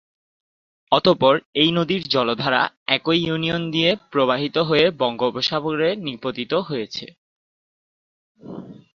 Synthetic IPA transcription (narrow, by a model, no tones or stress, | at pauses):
ɔt̪opɔɾejnod̪iɾd͡ʑɔlod̪ʱaɾa̰ | ɛkojuniond̪iepɾoβaɦit̪oɦoebɔŋɡobʱoʃaboɾenipot̪it̪oɦoet͡ɕʰḛ